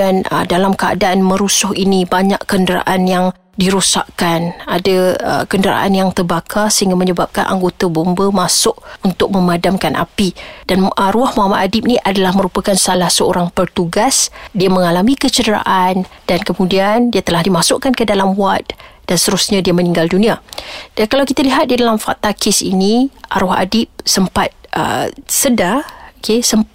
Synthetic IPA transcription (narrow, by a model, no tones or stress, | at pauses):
anədalamkəa̰daʔːnmə̃ɾusʊhinibaɲaʔkəndəɾa̰ʔanjaŋ | diɾusa̰ʔkanada̰kəndəɾa̰ʔa̰njaŋt̪ərbakʰasəɦiŋɡaməɲəbap̚kanʔa̰ŋɡot̪abombəmasʊʔ̚unt̪ʊk̚mə̃madamkanʔa̰pidanɾuahmoɦamat̪̚adɪp̚niʔadalahmə̃ɾupakansalahsəoɾaŋpərt̪uɡasdiamə̃ŋalamikət͡ʃədəɾa̰ʔand̥ankəmũdiandiat̪əlahdimasʊʔkankədalamwat̪̚d̥anst̪əɾusɲadiamə̃niŋɡaldunĩad̥ankalawkit̪aliɦat̪̚didalamfaʔ̚t̪akɪsḭniʔa̰ɾɔha̰dɪp̚səmpat̪̚ʔə̰sədaokesəm